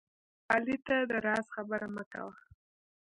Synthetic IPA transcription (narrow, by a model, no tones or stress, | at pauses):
ɑlit̪ad̪əɾɑsxabəɾaməka̰wa